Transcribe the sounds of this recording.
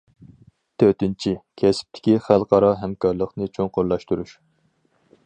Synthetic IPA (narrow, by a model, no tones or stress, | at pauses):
t̪ʰøt̪ɪnt͡ʃʰikʲʰɛsɪ̥p̚t̪ʰɪ̥kʲiχælˠqʰɑɾɑɦɛmkɑɾlˠəqnɨt͡ʃʰoŋqoɾlˠɑʃt̪uɾuʃ